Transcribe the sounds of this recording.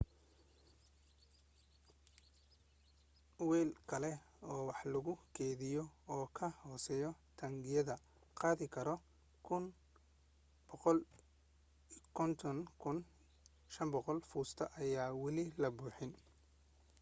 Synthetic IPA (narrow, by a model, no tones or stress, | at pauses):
wɛːlkʰɐlɛ | ɔːwɑħlɐɣʊkʰɛːðɪjɔɔːkʰɐhɔːsɛːjɔt̪ʰɐŋɡɪjɐðɐ | qɑːðɪkʰɐɾɔ | kʰʊn | b̥ɔqɔl | kʰɔnt̪ʰɔnkʰʊn | ʃɐmbɔqɔlfuːst̪ʰɐʔɐjaːwɑlɪlɐbuːħɪn